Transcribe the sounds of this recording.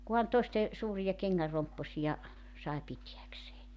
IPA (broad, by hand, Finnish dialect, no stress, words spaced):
kuhɑn toeste suːrijɑ keŋːær rompːosijɑ sɑe pitiækseː